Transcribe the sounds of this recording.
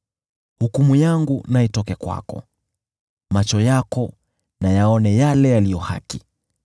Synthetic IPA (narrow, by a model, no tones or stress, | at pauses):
hukumujaŋɡunaɛtɔkɛkwa̰kɔ̰ | mat͡ʃɔjakɔ | najaɔnɛjalɛjalijɔha̰ki